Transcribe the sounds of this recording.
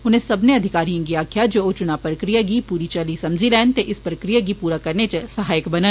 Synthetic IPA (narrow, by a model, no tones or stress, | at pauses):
ʊn̤ẽsɐbneɐd̪ʱɪkaːɾijãɡiaːkʰjad͡ʒoːt͡ʃʊnaːpɾəkɾijaɡipuːɾit͡ʃɐlisɐ̃md͡ʒʱilɛːnt̪eʔɪspɾəkɾijaɡipuːɾakɐɾnet͡ʃəsɐɦaːjɪkbɐnə